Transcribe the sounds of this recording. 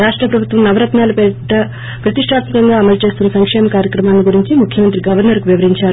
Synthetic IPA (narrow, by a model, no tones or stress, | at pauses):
ɾaːʂʈɾɐpɾɐbʱut̪ʋɐmnɐʋɐɾɐt̪naːlɐpɛʈːɐ | pɾɐt̪iʂʈʰaːt̪mikɐŋɡaːɐmɐlt͡ʃe̞ːst̪unːɐsɐŋkʂɛːmɐkaːɾjɐkɾɐmaːlɐniɡuɾiɲt͡ʃimukʰjɐmɐnt̪̬ɾiɡɐʋɐɾnɐɾkuʋiʋɐɾiɲt͡ʃaːɾu